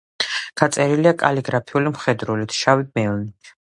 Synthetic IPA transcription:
ɡ̥at̪sʼɛɾiliakʼa̰liɡɾapʰiulimχɛd̪ɾulit̪ʰʃawimɛlni

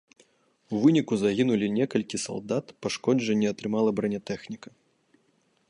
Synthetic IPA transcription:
uvɨnʲikuzaɣʲinulʲinʲɛkɐlʲkʲisa̰lˠd̪at̪paʂkɔd͡ʐɛnʲːɛɐt̪ɾɨmalˠɐbɾɐnʲɐt̪ɛxnʲikɐ

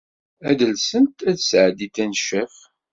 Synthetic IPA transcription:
æd̪əlsənt̪æðsʕəd̪it̪ːænʃəf

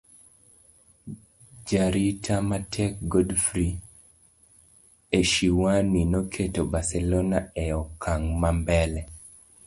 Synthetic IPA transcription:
d͡ʒaɾitʰamatʰɛk̚ɡodfɾi | eʃiwaninɔkʰetobasɛlonaɛɔkʰaŋmambɛlɛ

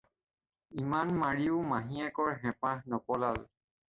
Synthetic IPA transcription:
imanmaɹiʊmaɦiɛkɔɹɦɛ̃pahnɔpɔlal

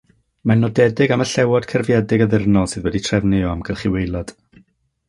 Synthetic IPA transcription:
manːɔdɛdɪɡaməɬɛwɔdkʰərvjɛdɪɡəðɪrnɔlˠsɨːðwɛditʰr̥ɛvnɪɔamɡ̥əlˠχiwejlˠɔd̥

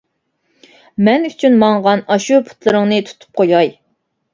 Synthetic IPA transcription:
mɛnyt͡ʃʰynmɑŋʁɑnɑʃuɾpʰu̥t̪lˠɨɾɨŋnɨt̪ʰu̥t̪ʰu̥p̚qʰojɑj

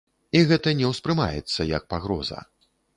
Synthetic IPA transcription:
iɣɛt̪ɐnʲɛwspɾɨma̰jɛ̰t̪sːɐjɐk̚paɣɾɔzɐ̰

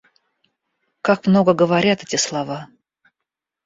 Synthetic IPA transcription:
kakmno̞ɡəɡəvɐɾʲat̪ɛtʲɪslˠɐva

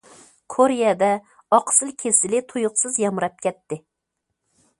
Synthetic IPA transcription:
kʰoɾijɛd̪ɛ | ɑqsɨlˠkʲʰesɪlɪt̪ʰojʊqsɨzjɑmɾɛp̚kʲʰɛt̪ːɪ

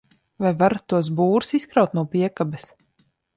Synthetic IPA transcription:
vajvaɾat̪ːuɔs̬buːɾusiskɾawt̪nuɔpiɛkabɛs

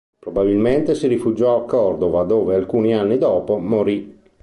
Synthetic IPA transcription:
pɾobabilment̪esiɾifud͡ʒɔakːɔrd̪ovad̪oːvealkuːnianːid̪ɔːpomoɾi

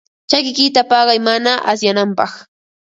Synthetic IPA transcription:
t͡ʃakɪkɪt̪apɑɢɑjmanaʔas̬janampɑχ

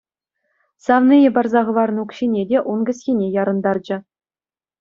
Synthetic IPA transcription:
sɑvnɨjɤ̆bɑrzɑʁɤ̆ʋɑrnɤukɕinʲedʲeʔunɡʲɘ̆sʲxʲenʲejɑɾɤ̆nd̪ɑrd͡ʑɘ̆

